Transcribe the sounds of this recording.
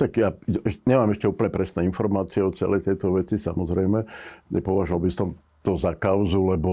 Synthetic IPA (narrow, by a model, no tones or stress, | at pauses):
t̪aɡjaɛɲɛmaːmɛʃcɛuːpl̩ɲɛpɾɛsnɛːinfɔɾmaːt͡siɛɔt͡sɛ̰lɛjt̪ɛjt̪ɔʋɛt͡sisa̰mɔzɾɛjmɛɲʔɛ̰pɔʋaʒʊʋalbisɔm | t̪ɔzakaʊzulɛbɔ